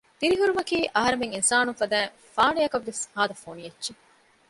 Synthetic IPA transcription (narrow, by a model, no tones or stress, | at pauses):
t̪iɾiɦuɾumɐkiːʔɐɦɐɾemeŋinsaːnufɐd̪æːŋ | faːnejɐkɐʋːeshaːd̪ɐfoːnijetːʃe